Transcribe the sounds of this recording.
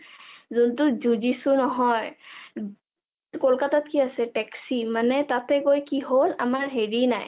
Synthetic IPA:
zʊntʊzuzisʊnɔɦɔj | kɔlkatat̚kiasɛtɛksimanɛtatɛkojkiɦola̰maɹɦeɹina̰j

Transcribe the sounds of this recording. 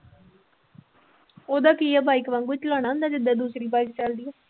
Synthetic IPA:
oːd̪aːkiːɛːbaːiːkʋãŋɡʋɪt͡ʃəlaːɽ̃naːɦʊ̃nd̪aːd͡ʒɪd̪aːd̪uːsɾiːbaːikt͡ʃəld̪iːɛː

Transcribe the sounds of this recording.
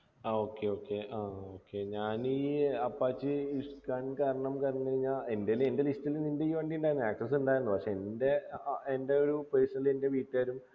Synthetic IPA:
ao̞ːkːe̞o̞ːkːe̞ʔaːo̞ːkːe̞ɲaːniːɐpːaːt͡ɕːɨuskaːnkaːɾɐɳɐmkaːɾɐɲːkɐɾiɲːaːle̞ndele̞nde̞listilnindeiʋɐɳɖiuɳɖaːjɾnːaːk̚sɐs̬uɳɖaːjiɾunːupɐkʂe̞ːnde̞ende̞oɾupleːsɐilende̞ʋiːʈːaːɾum

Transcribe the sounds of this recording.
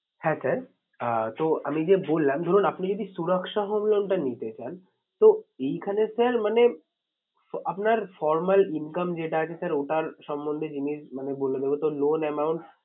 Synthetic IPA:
hɛ̃sʰaɾ | t̪oa̰mid͡ʑebolːamd̪ʱoɾunapnid͡ʑod̪ʱisuɾəkʃaɦomlonʈanit̪et͡ɕan | t̪oejkʰanesaɾmane | apnaɾfɔɾmalinkamd͡ʑeʈaat͡ɕʰesaɾoʈaɾʃɔmːond̪ʱed͡ʑiniʃmaneboled̪ebot̪olonɛmawɳʈ

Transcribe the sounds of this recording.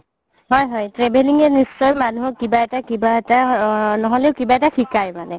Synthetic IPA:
ɦɔjɦɔjtɹebeliŋɛnisːɔjmanuɦkibaɛtakibaɛtanɔɦoleʊkibaɛtaxʰikajmanɛ

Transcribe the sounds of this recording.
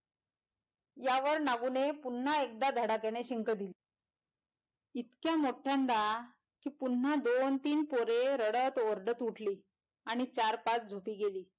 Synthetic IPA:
jaʋəɾnaɡunepun̤ːaek̚d̪ad̪ʱəɽakeneɕiŋkəd̪ili | it̪kjamoʈʰjãnd̪a | kiːpunːad̪ont̪iːnpoɾeɾəɽət̪oɾɖət̪uʈʰliː | aɽ̃it͡ɕaɾpat͡sd͡zʱopiːɡeliː

